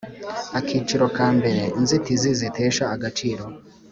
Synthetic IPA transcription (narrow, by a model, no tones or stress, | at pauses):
akʰiːt͡ʃiɾo̞kaːmbe̞ɾe̞inzitizizitʰe̞ːʃaːɡat͡ʃiːɾo̞